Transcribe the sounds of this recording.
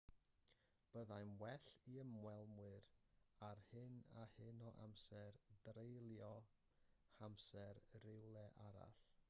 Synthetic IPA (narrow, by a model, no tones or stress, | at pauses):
b̥əðajnwɛɬiəmwɛlˠmwɨɾarhɨnahɨnɔʔa̰msɛrdrejlˠjɔ | hamsɛɾrɪwlˠɛʔaɾa̰ɬ